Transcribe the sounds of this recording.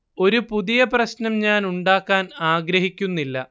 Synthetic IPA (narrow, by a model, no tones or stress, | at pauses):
o̞ɾupuðijɐprɐɕnɐmɲaːnuɳɖaːkːaːnaːɡɾɐɦikʲːunːilːɐ